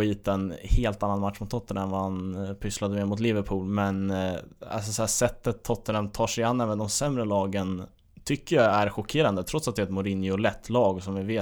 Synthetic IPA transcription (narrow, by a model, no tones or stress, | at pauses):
iːt̪ɛnheːlt̪anːanmat̪ʂmʊt̪ʰːɔt̪ʰːənɛnvahanpʰʏslad̪əmeːmʊt̪̬lɪvəɾpʰuːlmɛn | a̰lsɔsæːʂɛt̪ːət̪ʰːɔt̪ːənamt̪ʰɑːʂɛjanːɛːvənd̪ɔmsɛmɾəlɑːɡən | t̪ʰʏkːəjɑæɾɧʊkʰeːɾand̪ət̪ʰɾɔt̪sat̪d̪ɛt̪mʊɾɪnjɪʊlɛt̪ʰːlɑːɡsɔmvɪveː